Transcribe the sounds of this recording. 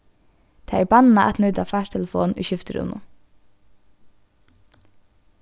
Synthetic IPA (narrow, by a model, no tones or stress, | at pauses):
d̪̥eːæɹbɑnnɑʔæ̰t̪nʉt̪ɑfæːʃʈʰɛləfo̰ːnʔḭːçʏft̪əɾʊ̰mə̰